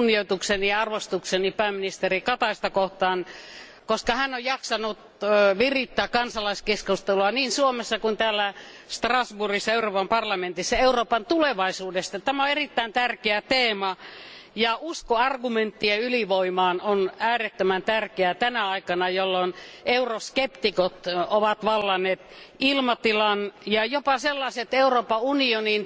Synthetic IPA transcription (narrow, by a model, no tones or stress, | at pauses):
nːioit̪ukseniɑɑrʋost̪uksenipæːmːinist̪erikɑt̪ɑist̪ɑkoht̪ɑːn | koskɑhænːojɑksɑnut̪ː | ʋirit̪ːæːkɑnsɑlɑiskeskust̪eluɑniːnsuomesːɑkunt̪æːlːæ | st̪rɑsburisːɑeuroːpɑmpɑrlɑment̪isːɑeuroːpɑnt̪uleʋɑisuːdest̪ɑt̪æmæoerit̪ːæint̪ærkeæt̪eːmɑ | jɑuskoɑrɡument̪ːiɑyliʋoimɑːnonæːret̪ːømænt̪ærkeæt̪ænæɑikɑnɑjolːoneuroskept̪ikot̪oʋɑt̪ʋɑlːɑnˑeːt̪ilmɑt̪ilɑnjɑjopɑselːɑiset̪euroːpɑunionin